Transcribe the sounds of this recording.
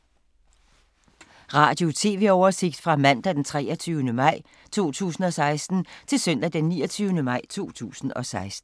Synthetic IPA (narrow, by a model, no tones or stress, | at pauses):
ʁɑ̰̈ːd̥jo̝t͡sʰe̝ːʋe̝ɒʊɐse̝ɡ̥d̥fʁɑ̈mæn̰d̥æd̥ent͡sʰʁɛːɐt͡sʰyːʊnəmɑ̈ɪ̰ | t͡sʰo̝̰ːt͡sʰṵːsn̩ɒ̽sɑ̈ɪsd̥n̩t͡sʰe̝lsœn̰d̥æd̥enːiːɐt͡sʰyːənəmɑ̈ɪ̰t͡sʰo̝̰ːt͡sʰṵːsn̩ɒ̽sɑ̈ɪsd̥n̩